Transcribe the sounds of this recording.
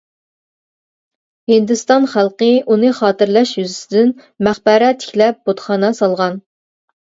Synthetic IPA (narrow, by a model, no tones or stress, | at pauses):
hɪnd̪ɨst̪ɑnχælˠqəunɨχɑːt̪ɪɾlɛʃjyzɪsɪd̪ɪn | mæχbɑɾɛt̪ʰːɪ̥kʲlɛp̚bot̪χɑːnɑsɑlˠʁɑn